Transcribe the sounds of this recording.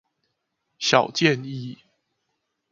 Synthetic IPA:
ɕjɑ˨˩ʊt͡ɕjɛ˥˨ni˥˨

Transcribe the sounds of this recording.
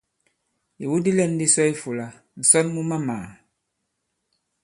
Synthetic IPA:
ji˨wu˦di˦lɛ˦n˦di˦sɔ˦i˦fu˨la˨ | n̩˨sɔ˦nmu˦ma˦maː˨

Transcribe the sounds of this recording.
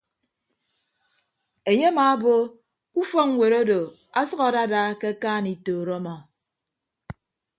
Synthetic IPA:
e˨ɲe˦a˦maː˨a˦bo˦ | ku˦fɔ˦ŋ̩˦we˨ɾo˦do˨ | a˦sʌ˦ɣa˨da˦da˦ke˦kaː˦˨ni˨toː˨ɾɔ˦mɔ˨

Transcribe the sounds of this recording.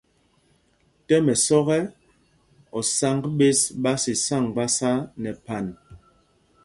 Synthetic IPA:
tɛ˦mɛ˨sɔ˦ɣɛ˦ | ɔ˨sa˦ŋɡɓe˦sɓa˦si˨sa˦˨ŋɡ͡ba˦sa˦nɛ˨pa˨n

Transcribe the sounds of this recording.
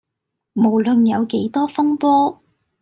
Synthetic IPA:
mo˨˩wlɵ˧njɐ˨˧wke˨˥jt̪ɔː˥fʊ˥ŋpɔː˥

